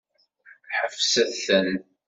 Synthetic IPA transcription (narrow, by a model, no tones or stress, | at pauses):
ħəfsæθθən